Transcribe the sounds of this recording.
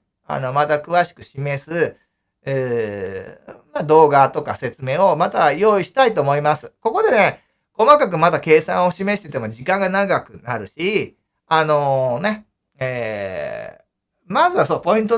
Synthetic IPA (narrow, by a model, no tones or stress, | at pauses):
a̰no̞mat̪akɯ̟βaɕi̥kɯ̟ɕime̞sɨ | ɯː | mad̪o̞ːɡat̪o̞ka̰se̞t͡sɨme̞ːo̞mat̪ajo̞ːiɕi̥t̪ait̪oːmo̞imasɨ̥ko̞ko̞d̪e̞ne̞ | ko̞makak̬ɯ̟mad̪ake̞ːsã̰ɰ̃o̞ɕime̞ɕi̥t̪e̞t̪e̞mo̞d͡ʑikãŋɡanaɡakɯ̟naɾɯ̟ɕi | ano̞ne̞ | eː | mazɨβasoːpo̞ĩnt̪̬o